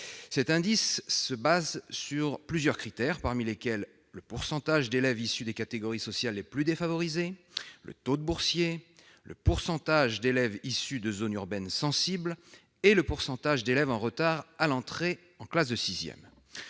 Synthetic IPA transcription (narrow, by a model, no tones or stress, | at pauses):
sɛt̪ɛ̃d̪isːəbazsyʁplyzjœʁkχit̪ɛʁpaʁmilekʲɛlː | əpuʁsɑ̃t̪aʒd̪elɛvisyd̪ekat̪eɡɔʁisɔsjalːeplyd̪efavɔʁizelə̰t̪od̪əbuʁsje | lə̰puʁsɑ̃t̪aʒd̪elɛvisyd̪əzonyʁbɛnsɑ̃sibl | eləpuʁsɑ̃t̪aʒd̪elɛvɑ̃ʁət̪aʁalɑ̃t̪χe | ɑ̃klas̬d̪əsizjɛ̰m